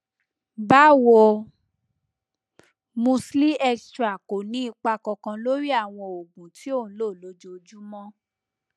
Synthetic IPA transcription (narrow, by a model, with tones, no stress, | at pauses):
ba˦wo˧ | mũ˧sli˦ʔɛ˧stɾa˨ko˨nĩ˨˦i˧k͡pa˧kɔ˧kã˧lo˦ɾi˦a˦˨w̃ɔ̃˧o˨ɡũ˨ti˨˦õ˦˨˦lo˦˨lo˧˦d͡ʒo˧˨d͡ʒu˦mɔ̃˦